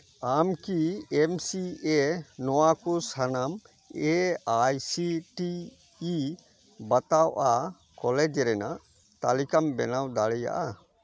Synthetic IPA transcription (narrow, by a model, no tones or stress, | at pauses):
amkiemsienɔwakusanam | eajsiʈiː | bat̪awʔa | kɔlɛd͡ʒɾɛna̰ʔ | t̪alikambɛnawd̪aɽɛja̰ʔa